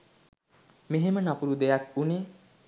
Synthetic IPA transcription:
meɦemanʌpuɾud̪ejak̚une

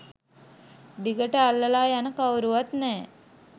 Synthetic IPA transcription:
d̪iɡəʈəalːəlaːjanəkawɾuʋat̪nɛː

